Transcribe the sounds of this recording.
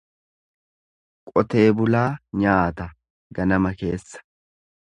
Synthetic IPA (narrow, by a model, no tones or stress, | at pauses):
kʼɔt̪e̞ːbʊlaːɲaːt̪ɐ | ɡɐnɐmɐke̞ːsːɐ̥